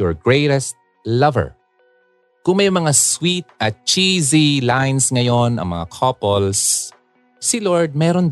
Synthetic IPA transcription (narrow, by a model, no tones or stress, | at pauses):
ɔɹɡɹejɾɛst̪̚ | lɐvɛ̰ɹ | kʊŋmɐjmɐŋaswit̪̚ʔɐt̪̚t͡ʃizilajnsŋɐjo̞nɐ̰ŋmɐ̰ŋakʰopolsː | ɪloɹd̪̚mɛːɾon